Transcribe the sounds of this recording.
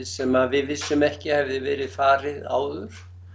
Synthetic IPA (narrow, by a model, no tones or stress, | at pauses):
sɛmaðvɪðvɪsːʏmɛhcɪhɛvðɪvɛːɾɪðfaːɾɪða̰ːwðʏɾ̥